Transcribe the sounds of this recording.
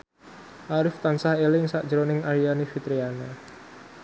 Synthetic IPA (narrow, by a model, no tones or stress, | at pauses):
ʔaɾɪft̪ansahelɪŋsaʔʒɾonɪŋaɾianifit̪ɾiana